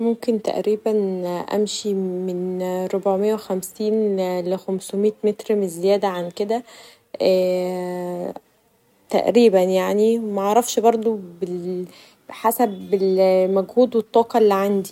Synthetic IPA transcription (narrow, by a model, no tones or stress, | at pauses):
momkent̪æ̰ʔɾiːbænʔæ̰mʃimenɾobʕmejːæwexæmsiːnlexæmsomiːt̪met̪ɾmezːejæːd̪æʕanked̪æ | æ | t̪æ̰ʔɾiːbænjaʕnimæʔɑʕɾˤɑfʃbɑɾˤd̪ˤobe | ħasæbelmæɡhuːd̪wet̪ˤːɑːqɑelːiʕand̪i